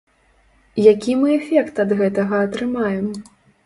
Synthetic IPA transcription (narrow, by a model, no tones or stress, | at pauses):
jakʲimɨɛfʲɛkt̪ɐd̪ɣɛt̪ɐɣɐːt̪ɾɨmajɛm